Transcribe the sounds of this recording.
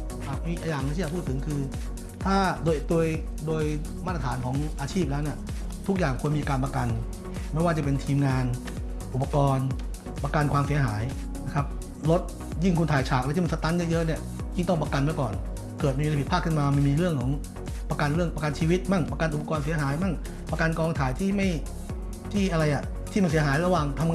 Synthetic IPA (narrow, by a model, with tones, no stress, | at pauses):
a˨˩k̚mi˧ʔa˧jaː˨˩ŋnː˧˥˧i˥˨˩pʰuː˥˩t̪ʰɯ˩˦ŋkʰɯː˧ | t̪ʰaː˥˩doː˧jdoː˧j | doː˧j | maː˥˩t̪ːa˧t̪ʰaː˩˦nkʰɔː˩˦ŋʔaː˧t͡ɕʰiː˥˩p̚lɛː˦˥wni˥˩ɐ | t̪ʰu˦˥k̚jaː˨˩ŋkʰu˧ənmiː˧kaː˧npɾa˧ka˧n | ma˥˩jwaː˥˩t͡ɕa˨˩pe˧nt̪ʰiː˧mŋaː˧n | ʔu˨˩pːa˧kɔː˧n | pa˧ka˧nkʰwaː˧msi˩˦ɐɦaː˩˦j | na˦˥kʰɾa˦˥p̚ | lo˦˥t̪̚ | ji˥˩ŋkʰu˧nt̪ʰaː˨˩jt͡ɕʰaː˨˩k̚a˧t̪ʰiː˥˩m˧sa˧t̪a˦˧˥nja˥˩jɤ˦˥ʔni˥˩ɐ | ji˥˩ŋt̪ɔ˥˩ŋp̬a˧ka˧nmɛ˦˥˩kɔː˨˩n | kɤː˨˩t̪̚a˧a˧pʰi˨˩t̪̚ʰaː˥˩kʰɯ˥˩maː˧ma˧˥˩miː˧ɾɯ˥˩əŋkʰɔː˩˦ŋ | pa˧ka˧nɾɯ˥˩əŋpa˧ka˧nt͡ɕʰiː˧wi˦˥t̪̚ma˥˩ŋpa˧ka˧nʔu˨˩pa˧kɔː˧nsi˩˦ɐɦaː˩˦jma˥˩ŋ | pa˧ka˧nkɔː˧ŋt̪ʰaː˨˦jt̪ʰiː˥˩ma˥˩j | t̪ʰiː˥˩ʔa˧ɾa˧jʔa˨˩ | t̪ʰiː˥˩m˧˩si˩˦ɦaː˩˦jɾa˧waː˨˩ŋt̪ʰa˧m